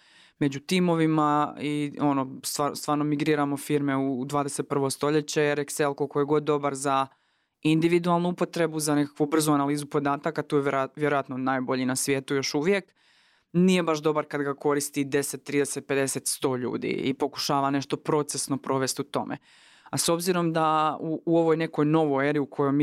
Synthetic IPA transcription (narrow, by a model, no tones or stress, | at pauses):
me̞d͡ʑut̪imo̞ʋimaio̞no̞st̪aɾst̪ʋaːɾnomiɡɾiːɾamo̞fiɾme̞ud̪ʋaːd̪ese̞t̪̚pr̩ʋo̞st̪o̞ʎe̞t͡ɕeeɾekselkolkojeɡo̞d̪ːo̞baɾza | ind̪iʋid̪ualˠnuupo̞t̪ɾe̞buzane̞kḁkʋubr̩zuanaliːzupo̞d̪aːt̪akat̪ujejʋjeɾojat̪nonaːjbo̞ʎinasʋjeːt̪ujo̞ʃuʋjek | nije̞baʃd̪o̞baɾkad̪ɡako̞ɾist̪id̪e̞set̪ːɾiːd̪eset̪̚pe̞d̪e̞se̞t̪st̪o̞ːʎṵːd̪ḭḭpo̞ku̥ʃaːʋane̞ʃt̪o̞pɾo̞t̪sesno̞pɾo̞ʋe̞st̪ut̪o̞̰mḛ | aso̞bziɾo̞md̪auːo̞ʋo̞jne̞ko̞jno̞ʋojeɾiukʰo̞jojm